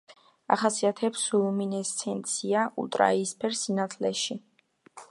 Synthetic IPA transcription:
a̰χasiat̪ʰɛpsuluminɛst̪sʰɛnt̪sʰiaṵlˠt̪ʼɾa̰iːspʰɛɾsinat̪ʰlɛʃi

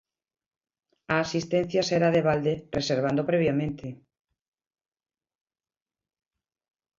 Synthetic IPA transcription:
aːsist̪ɛn̟θjaseɾaðeβald̪ereseɾβ̞and̪opɾeβ̞jamẽnt̪ʰe

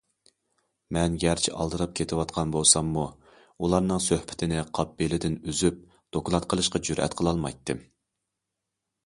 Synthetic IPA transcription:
mɛnɡʲæɾt͡ʃʰɪʔɑ̰lˠd̪ɨɾɑp̚kʲʰet̪ʰɪwɑt̪qʰɑnbolˠsɑmːu | ulˠɑɾnɨŋsøhpʰɪ̥t̪ʰɪnɪqʰɑp̚ːilɪd̪ɪnyzyp̚ | d̪̥okʰʊlˠɑt̪̚qʰəlˠɨʃqɑd͡ʒyɾʔɛ̰t̪qʰəlˠɑlˠmɑ̰jt̪ːɨm

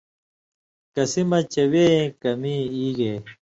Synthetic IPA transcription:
kɐsimɐt͡ɕɐweːkɐmiiːɡe

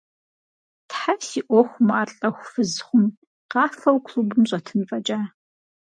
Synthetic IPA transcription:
tħasiːʔʷɔxʷʊmaːrɬʼɐxʷfɨzχʷʊm | qɑːfɐwkʷʰɬubɨmɕʼɐtʰɨnfʼɐt͡ʃʼaː

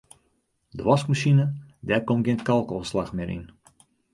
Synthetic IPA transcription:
dəʋɔskmaʃinədɛrkomɡentkɑlˠkɔslaxmɪɾʔḭn

